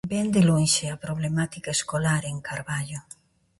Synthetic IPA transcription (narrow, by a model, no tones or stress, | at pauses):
bɛnd̪elonʃeapɾoβlemat̪ikaeskolaɾeŋkaɾβaʎo